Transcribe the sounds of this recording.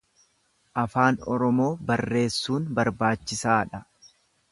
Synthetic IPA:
ʔɐfaːnɔɾɔmo̞ːbɐrːe̞ːsːuːnbɐɾbaːt͡ʃːɪsaːᶑɐ

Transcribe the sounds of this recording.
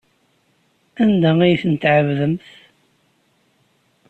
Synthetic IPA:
ænd̪æijθənt̪ʕəvðəmθ

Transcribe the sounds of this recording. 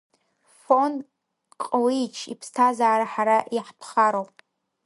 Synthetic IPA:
fon | qʼlit͡ʃʰḭpʰstʰazaːɾaħaɾaʔiħpʰχaɾowpʼ

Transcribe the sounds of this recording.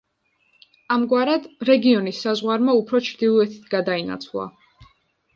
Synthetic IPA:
amɡwaɾad̪ɾɛɡiɔnisːazʁwaɾmaupʰɾɔt͡ʃʰɾd̪ilˠɔɛt̪ʰi̥t̪ʰɡad̪aina̰t̪sʰvlˠa̰

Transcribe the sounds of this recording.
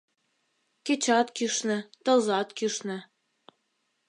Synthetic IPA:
ket͡ɕɑt̪kyʃnɘ̆t̪ɤ̆lzɑt̪kyʃnɘ̆

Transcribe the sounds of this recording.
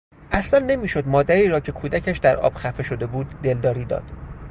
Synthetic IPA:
ʔæslænːe̞miːʃo̞d̪mɒːd̪æɾiːɾɒːcʰe̞kʰuːd̪æcʰæʃd̪æɾʔɒ̰ːb̥xæfe̞ʃo̞d̪e̞buːd̪ːe̞ld̪ɒːɾiːd̪ɒ̰ːd̪̥

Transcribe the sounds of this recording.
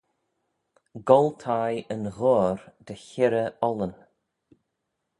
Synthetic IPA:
ɡɔlt̪ʰajənɣɔːɾd̪̥əçɪɾəɔlən

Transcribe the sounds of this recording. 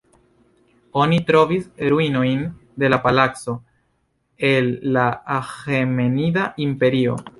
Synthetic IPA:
o̞nitɾo̞visɾuino̞jnde̞lapalakso̞ | e̞lːaaxemenidaʔimpe̞ɾio̞̰

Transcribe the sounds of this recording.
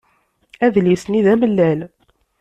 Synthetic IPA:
æðlisniðæməlːæl

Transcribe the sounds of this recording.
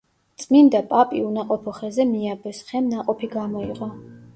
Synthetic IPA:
t̪sʼmind̪apʼapʼiunaqʼɔpʰɔχɛzɛmiabɛsχɛmnaqʼɔpʰiɡamɔiqʼɔ

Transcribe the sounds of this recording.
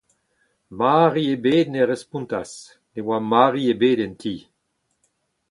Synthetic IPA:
maːʁiebeːd̪̚neʁɛspũnt̪as | newamaːʁiebeːdɛ̃nt̪ʰiː

